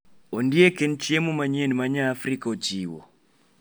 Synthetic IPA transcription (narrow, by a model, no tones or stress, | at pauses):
ɔndiɛkɛn̩t͡ʃiemumaɲiɛnimaɲaːfɾikaɔt͡ʃiːwɔ̰